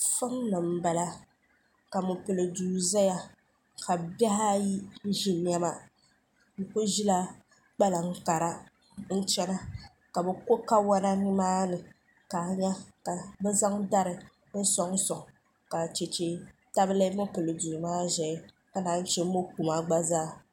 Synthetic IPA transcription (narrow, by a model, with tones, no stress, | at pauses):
fɨ˦mnɨ˨m̩˦ba˨la˦ | ka˨mʊ˨pɨ˨lɨ˨duː˨za˦ja˦ | ka˨bɛ˦ɦa˦ji˦n̩˦ʒi˨n˦a˦ma˦ | dɨ˨ko˦ʒi˦la˦ | k͡pa˦la˨ŋ̩˦ka˨ɾa˦ | n̩˦t͡ʃɛ˦na˦ | ka˨bɛ˦ko˦ka˦wa˦na˦nɨ˦maː˦nɨ˨ | ka˨ɲa˦ka˨bɛ˦za˦ŋda˦ɾɨ˨ | n̩˦sɔ˦ŋ˦sɔ˨ŋ | ka˨t͡ʃe˨t͡ʃe˦ta˦bɨ˦lɨ˦mʊ˦pɨ˨lɨ˨du˨maː˦ʒɛ˨˦ | ka˦naː˨˦n̩˦t͡ʃɛ˦mo˦ku˨ma˦ɡ͡ba˦zaː˦